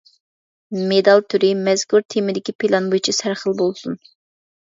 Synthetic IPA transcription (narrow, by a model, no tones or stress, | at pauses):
med̪ɑlˠt̪ʰyɾɪmɛz̥kuɾt̪ʰimɪd̪ɪkʲipʰɪlˠɑnbojt͡ʃʰisæɾχəlˠbolˠsun